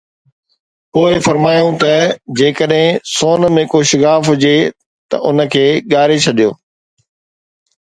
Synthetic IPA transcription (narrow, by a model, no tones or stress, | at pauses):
poːɪfɐɾmaːjũt̪ɐd͡ʑeːkəɗɦɪ̃soːnmẽːkoʃɪɡaːfɦʊd͡ʑe | t̪ɐ̰ʔʊnə̆kʰeːɠaːɾet͡ɕʰɐɗijo̰ː